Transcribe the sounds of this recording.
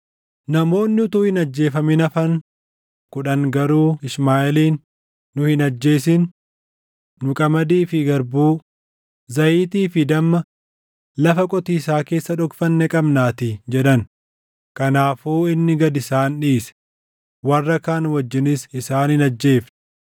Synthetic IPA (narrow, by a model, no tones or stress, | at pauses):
nɐmo̞ːnːɪʊt̪uhɪnɐd͡ʒːe̞ːfɐmɪnɐfɐŋ | kʊᶑɐŋɡɐɾuːɪsmaːʔɛliːnː | ʊhɪnɐd͡ʒːe̞ːsɪn | ʊkʼɐmɐd̪iːfɪɡɐɾbuː | zɐʔiːt̪iːfɪd̪ɐmːɐ | lɐfɐkʼɔt̪iːsaːke̞ːsːɐᶑɔkfɐnːɛkʼɐbnaːt̪ɪd͡ʒɛᶑɐn | kɐnaːfuːɪnːɪɡɐd̪ɪsaːnᶑiːsɛ̥ | wɐrːɐkaːnwɐd͡ʒːɪnɪsɪsaːnhɪnɐd͡ʒːe̞ːfɛ̥